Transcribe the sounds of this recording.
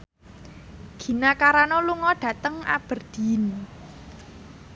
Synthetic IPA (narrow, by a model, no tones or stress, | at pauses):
ɡ̥i̤nakaɾanɔluŋɔɖ̥ä̤t̪əŋa̰b̥ə̤rd̪̥i̤n